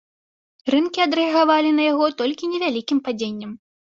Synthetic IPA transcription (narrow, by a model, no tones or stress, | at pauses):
rɨnkʲiɐd̪ɾɨɐɣavalʲinɐjaɣɔt̪ɔlʲkʲinʲɛvʲalʲikʲimpad͡zʲenʲːɐm